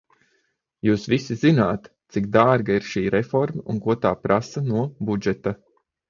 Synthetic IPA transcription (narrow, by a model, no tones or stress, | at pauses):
juːsvisizinaːt̪t̪sikd̪aːɾɡaiɾʃiːɾɛfɔɾmaunkuɔt̪aːpɾasanuɔbud͡ʒɛt̪a